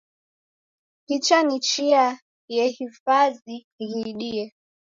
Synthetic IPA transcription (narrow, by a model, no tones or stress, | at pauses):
hit͡ʃanit͡ʃia | jɛhifazi | ɣiɗiɛ